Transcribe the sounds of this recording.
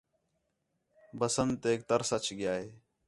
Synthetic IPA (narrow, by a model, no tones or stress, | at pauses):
bəsənd̪eːk̚t̪əɾsət͡ʃʰɡɪjaːɦeː